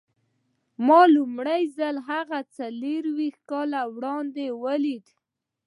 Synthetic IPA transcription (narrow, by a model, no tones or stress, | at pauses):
mɑlʊmɽajzalɦaɣat͡saleɾwixkɑlawɽɑnd̪ewəlid̪